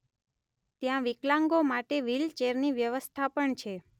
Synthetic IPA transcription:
t̪jãʋiklãŋɡomaʈeʋilt͡ʃeɾniʋjəʋəst̪ʰapəɳt͡ʃʰe

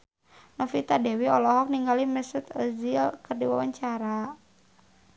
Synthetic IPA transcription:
nɔfit̪adɛwiɔlɔɦɔk̚niŋɡaliməsət̪əzilkərdiwawaɲt͡ʃaɾa

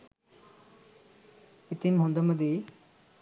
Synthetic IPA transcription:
ɪt̪imɦũnd̪əməd̪i

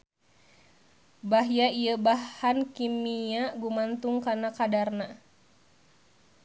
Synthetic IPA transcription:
baɦjaijəbahankimiaɡumant̪uŋkanakadarna

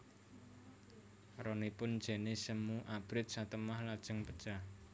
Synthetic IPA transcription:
ɾɔnipʊn̥d͡ʒ̥ɛ̤nesəmuʔab̥ɾɪt̪̚sat̪əmahlad̥ʒ̥ə̤ŋpəd̥ʒ̥a

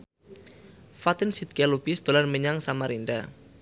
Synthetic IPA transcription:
fat̪ɪnsit̪̚kalub̥isd̪̥olanməɲaŋsamaɾinda̰

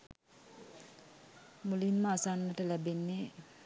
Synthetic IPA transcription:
mulinmaasaːnːəʈəlæbenːe

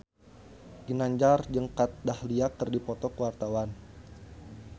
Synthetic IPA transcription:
ɡ̥inaɲd͡ʒard͡ʒəŋkat̪̚dahliak̚ːərdipɔt̪ɔkəwart̪awan

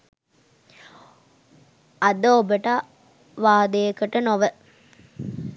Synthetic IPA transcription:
ɐd̪oːbəʈa | ʋaːd̪əjəkəʈənoʋə

